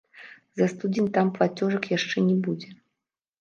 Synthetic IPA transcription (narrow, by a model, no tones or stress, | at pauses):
zɐst̪ud͡zʲinʲt̪amplˠat͡sʲɔʐɐkjaʂt͡ʂɛnʲɛbud͡zʲɛ